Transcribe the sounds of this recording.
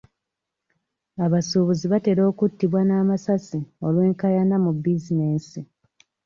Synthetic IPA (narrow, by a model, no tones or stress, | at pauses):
aβasuβuziβate̞ɾo̞ːkutːiβwanaːmasasio̞lwe̞ːŋkajanamubːizine̞ːsi